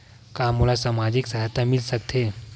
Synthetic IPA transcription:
kaːmulasaːmaːd͡ʒɪksɐɦat̪amɪlsɐk̚t̪ʰeː

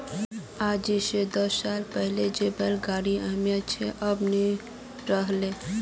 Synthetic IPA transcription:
ad͡ʒised̪əssalpəɦled͡ʒebelɡaːɽiamjat͡ʃʰeʔəbni | ɾəɦle

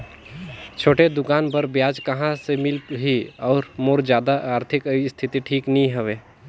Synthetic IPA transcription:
t͡ʃʰoːʈed̪ʊkaːnbəɾbjaːd͡ʒkɐɦãsemɪlɦiɔːɾmoːɾd͡ʒjaːd̪aʔaːɾt̪ʰɪkist̪ʰɪt̪iʈʰiːknəɦĩɦəʋeː

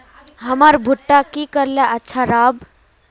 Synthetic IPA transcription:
ɦəməɾbʱuʈːakikəɾleʔətːʃʰaɾab

